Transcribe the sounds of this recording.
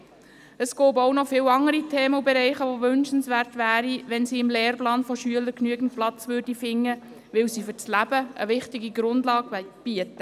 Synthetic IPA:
əsɡ̥oːboʊnɔfɪːwɑŋːəɾitʰeːməubɛɾɛɪχəʋoʋʏnʃənsʋæːrtʋæːɾiʋɛnsiːɪmleːrplɑːnfɔʃyələɾknyəɡən̩t̚plɑt͡sʋʏrdifɪŋːə | ʋɪwsifʏt͡slæbəə̰ʋɪχtɪɡiɡɾʊndlɑːɡb̥iətə

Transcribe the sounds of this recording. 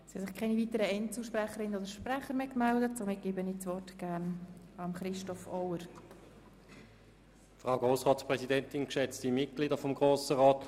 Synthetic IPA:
sihɛsɪχkʰɛɪniviːtəɾəɛntəʃpɾæχəɾɪnənodəɾʃpræχəɾmeːkmɛldət̚somɪt̚ɡ̥eːbəniːt͡sʋɔrtɡ̥æːɾnɑmχɾɪʃtɔfɔwəɾ | fʁaʊɡoːsʁɑːtspʁɛsidɛntɪnkʃɛt͡stimɪt̚ɡ̥liːdɐfɔmɡʁoːsəʁɔːt

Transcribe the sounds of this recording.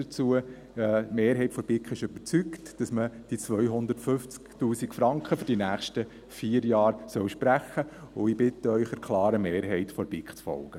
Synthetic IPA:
ət͡suə | meːɾɦɛɪtfɔb̥ɪkχɪʃøbət͡syktd̥ɑsməd̥it͡sʋœʏɦʊnd̪ətfʏft͡sktuːsikfɾɑŋkχəfʏɾd̥inæːχʃtə | fiːəɾjɑːɾsœwʃpɾæχəʊɪbɪtːəœʏχəɾkʰlɑːɾəmeːɾɦɛɪtfɔɾb̥ɪkχt͡sfɔ̰lɡ̥ə

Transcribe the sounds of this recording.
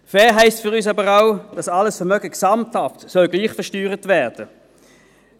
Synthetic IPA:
fɛːɐɦɛɪstfyʁyːs̬ɑbəʁaʊd̥ɑsɑləsfɛɐʁmœɡəksɑmthɑftsœlɡliːχfɛɐʁʃtyːʁətvɛɐd̥ə

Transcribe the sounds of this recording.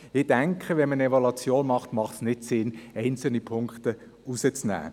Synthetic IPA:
ɪd̥ɛŋkʰəʋɛnmənevolɑt͡sjoːnmɑχtmɑχtsnɪtsɪnɛɪnt͡sl̩nipʰʊŋkχtə | usət͡snæ̰ː

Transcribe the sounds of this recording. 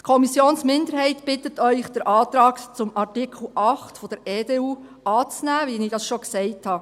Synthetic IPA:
tkʰɔmisjoːnsmɪnd̪əɾɦɛɪtb̥ɪtətœʏχd̥əɾʔɑːtɾɑːkt͡sʊmɑrtikʰl̩ˠʔɑχtfɔd̥əɾɛːdeːuː | ʔɑːt͡snæːʋinɪdɑsʃɔksɛɪthɑ

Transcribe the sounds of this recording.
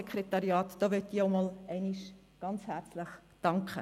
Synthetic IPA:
ɛkʰχɾetɑɾiɑːt̪d̥oːʋøtiːoʊmɔːlɛɪniʃ | ɡ̥ɑnt͡shæːɾt͡sləχd̥ɑŋkʰχə

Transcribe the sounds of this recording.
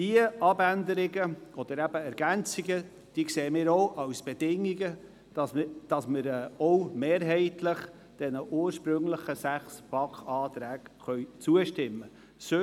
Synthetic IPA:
d̥iəʔɑbænd̪əɾɪɡəɔd̥̪əɾæb̥əɛɾɡ̥ænt͡siɡə | d̥iəkseːmɪːɾoʊʔɑwsb̥ed̥ɪŋːiɡə̥ | ɑd̥ɑsməɾɛɔʊmeːɾɦɛɪtʰləχ | d̥ɛnəʔuːəɾʃpɾɵŋləχəsæχsb̥ɑkχɑːt̪ɾæːkχœʏt͡suəʃtɪmːə | sø

